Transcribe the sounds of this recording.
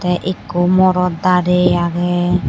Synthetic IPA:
t̪ɛʔikomɔɾɔd̪aɾeaɡɛ

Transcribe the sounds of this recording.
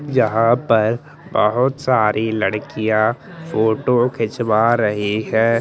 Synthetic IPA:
jɐɦãpɐɾ | bəɦʊt̪saːɾʔilɐɽkijã | foːʈokʰɪt͡ʃwaɾɐɦiɦɛː

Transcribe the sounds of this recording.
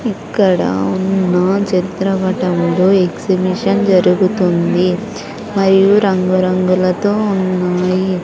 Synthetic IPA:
ikːɐɽɐ̰unːɐt͡ʃɐɾit̪ɾɐbɐʈɐmuɽoːeɡsibiʂɐnd͡ʒɐɾuɡut̪und̪i | mɐɾijuɾɐŋɡuɾɐŋɡulɐt̪o̞ːunːaːji

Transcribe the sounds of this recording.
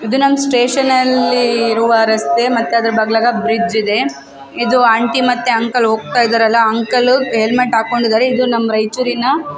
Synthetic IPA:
id̪unɐmːsʈe̞ːʃɐnɐlːiːɾuʋɐɾɐst̪emɐt̪ːeɐd̪ɐɾɐbɐɡɭaːɡɐbɾid͡ʒid̪e̞ | id̪uaːɳʈimɐt̪ːeɐŋkɐlɦoːɡ̚t̪aːjid̪aːɾɐlːɐɐŋkɐluɦelmeʈɦaːko̞ɳɖid̪aːɾeid̪unɐmːɐɾɐjt͡ʃuɾinɐ

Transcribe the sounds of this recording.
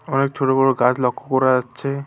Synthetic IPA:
ɔnek̚t͡ʃʰoʈobɔɾoɡad͡ʑlɔkʰːokɔɾaat͡ʃʰe

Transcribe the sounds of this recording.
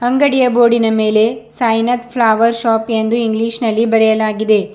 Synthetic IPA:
hɐŋɡɐɽijɐbo̞ːɽinɐme̞ːle̞sɐjnɐt̪pʰlaːʋɐɾʃaːpend̪uiŋɡliːʃnɐlːibɐɾɛjɐlaːɡid̪e̞

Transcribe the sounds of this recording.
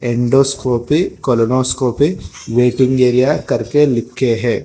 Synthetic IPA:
ɛɳɖoːskoːpikolonoːskoːpiʋeːʈiŋɡeːɾijakɐɾkelɪkːeɦɛː

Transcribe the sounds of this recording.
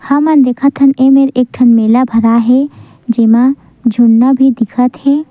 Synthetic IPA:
hɐmənd̪eːkʰət̪ɦənemeɾeːk̚ʈʰɐnmeːlabʱɐɾaɦe | d͡ʒemã | d͡ʒʱunːabʱid̪ɪkʰət̪hɛː

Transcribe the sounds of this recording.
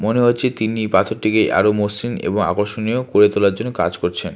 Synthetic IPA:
moneɦotːɕʰet̪inipat̪ʰoɾʈikeʔa̰ɾomosinḛboŋa̰koɾʃoniokoɾet̪olaɾd͡ʑonːoka̰d͡ʑkoɾt͡ɕʰen

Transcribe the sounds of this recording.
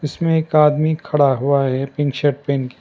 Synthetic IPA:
ɪsmẽeːkaːd̪mikʰɐɽaɦuaɦɛpɪ̃ŋkʃəɾʈ̚peːnki̥

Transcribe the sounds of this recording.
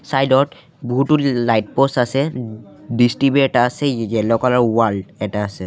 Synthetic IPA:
sajdɔt | buɦuʈulajʈ̚posasɛ | ɖisʈibeɛʈaːsɛjɛlɔkalaɹwalɖɛtaːsɛ

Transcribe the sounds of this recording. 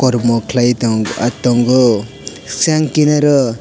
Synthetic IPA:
kɔɾmɔkʰlajt̪ɔŋɡa̰t̪ɔŋɡɔ | saŋkinaɾɔ

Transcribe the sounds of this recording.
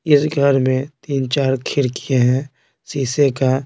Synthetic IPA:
ɪsɡʱəɾmẽt̪iːnt͡ʃaːɾkʰɪɾkieɦɛ̃ | siːseka

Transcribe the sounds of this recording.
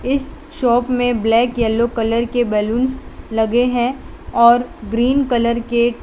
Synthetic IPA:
ɪs | ʃɔːpmẽblɛːkjɛlːokɐləɾkebɛːlũːnslɐɡeɦɛ̃ | ɔːɾɡɾiːnkɐləɾke

